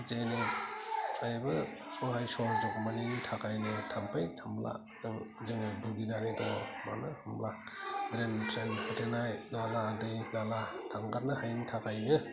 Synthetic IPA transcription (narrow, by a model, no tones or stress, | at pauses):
zejnɯ | ajbɯsɔɦajsɔɾzɔk̚maniŋtʰakʰajnɯtʰampʰajtʰambla̰ | dɯŋzɯŋɯbuɾɡidanedɔma̰nɯhamlak̚dɾentɾenhatenajnaladɯjnalatʰaŋɡat̚nɯhajntʰakajnɯ